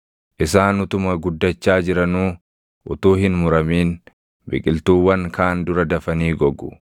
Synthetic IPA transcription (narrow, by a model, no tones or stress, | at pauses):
ʔɪsaːnʊt̪ʊmɐɡʊd̪ːɐt͡ʃːaːd͡ʒɪɾɐnuː | ʔʊt̪uːhɪnmʊɾɐmiːn | bɪ̰kʼɪlt̪uːwːɐŋkʰaːnd̪ʊɾɐd̪ɐfɐniːɡɔɡʊ̰